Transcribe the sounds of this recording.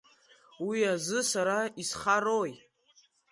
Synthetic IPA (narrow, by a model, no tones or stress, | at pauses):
wiazɨsaɾaisχaɾoj